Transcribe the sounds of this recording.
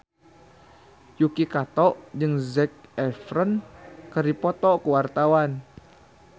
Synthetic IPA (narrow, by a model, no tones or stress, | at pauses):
jukikat̪ɔʔd͡ʒɨŋzɛk̚ɛfɾənkəripɔt̪ɔkəwart̪awan